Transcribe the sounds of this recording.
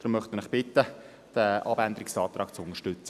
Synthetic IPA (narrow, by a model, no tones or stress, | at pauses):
d̪̥ɾʊmːœχt̪mənɪχb̥ɪt̪ːə | d̥əʔɑbænd̪əɾɪksɑːt̪ɾʔɑːkt͡sʊnəʃtʏt͡sə